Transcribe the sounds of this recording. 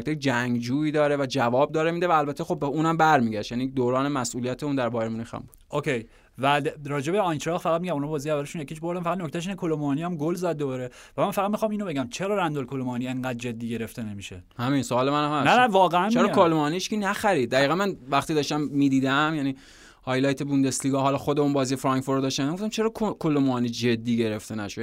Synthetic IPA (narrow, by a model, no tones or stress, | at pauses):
k̚t̪ek̚d͡ʒæŋɡd͡ʒuːiːd̪ɒːɾevæd͡ʒævɒːb̚d̪ɒːɾemiːd̪evæːlbæt̪ʰːexobːeuːnæmbæɾmiːɟæʃt̪jæːnid̪oːɾɒːnemæsʔuːlijæt̪ʰeund̪æɾbɒːjɾemuniːxæ̰mbuːd̪̥okʰej | væd̪ɾɒːd͡ʒe̞beɒjnt̪ɾɒxfæɣæt̪̚miɟæmunɔbɒːziævːæleʃunjekʰʲiːʃbo̞ɾd̪æmfææd̪noc̚ʰʲt̪æʃ̬iːnekʰolomɒːniæmɡolzæd̪ːobɒɾe | væmænfæɣæd̪mixɒmiːno̞be̞ɟæmt͡ʃʰe̞ɾɒːɾænd̪olkʰolomɒːnieɴɢæd̪̚d͡ʒe̞d̪ːiːɟe̞ɾe̞ft̪e̞ne̞miʃehæmiːnsoɒːlemænæmhæsnænævɒːɣeænmt͡ʃʰeɾɒkʰolomːniʃkinæxæɾiːd̪̚d̪ːæiːɣænmænvæχt̪id̪ɒːʃt̪æmːiːd̪iːd̪æmjæni | hɒjlɒjt̪ʰebund̪e̞sliːɡɒɦɒlɒxod̪eunbɒːzijefɾɒŋkfoɾd̪ɒʃt̪æmæmɡoft̪æmt͡ʃʰeɾɒːkʰokʰolomɒnid͡ʒe̞d̪ːiːɟe̞ɾeft̪e̞næ̰ʃod̪